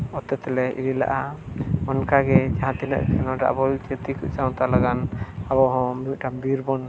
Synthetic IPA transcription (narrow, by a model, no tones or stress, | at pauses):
ɔt̪ɛt̪ɛlɛʔḭɾila̰ʔamɔnkaɡɛd͡ʒaɦãt̪inə̰ʔkʰɛnɔ̃ɖa̰ʔbɔt͡ʃɛt̪ikuʔsaw̃t̪alaɡanabɔɦɔ̃miuʔ̚ʈambiɾbɔn